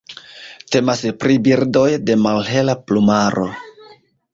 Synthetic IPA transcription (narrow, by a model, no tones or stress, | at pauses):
te̞maspɾibiɾdo̞jde̞malɦe̞laplumaɾʔo̞̰